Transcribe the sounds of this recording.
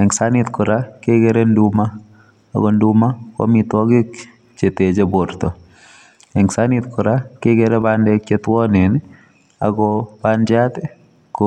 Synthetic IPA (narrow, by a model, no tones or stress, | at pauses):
ɛŋsanit̪kʊɾakeɡɛɾenduma̰ː | ɡɔndumakɔ̰mit̪wɔɡɪk | t͡ʃeted͡ʒebʊɾt̪ɔ | ɛŋsanit̪kʊɾakeɡɛɾɛbandɛkt͡ʃet̪wɔnen | a̰ɡɔb̥and͡ʒat̪ɛ | kɔ